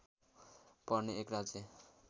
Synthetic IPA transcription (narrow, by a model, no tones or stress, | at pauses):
pʌrneekrad͡ze